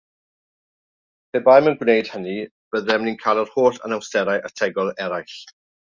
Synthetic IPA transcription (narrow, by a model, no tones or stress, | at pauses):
pʰeːbajmənɡwnejd̥həni | b̥əðɛmninkʰaːlˠɔr̥hoːɬə̰nawstɛɾajʔətʰɛɡɔlˠɛɾajɬ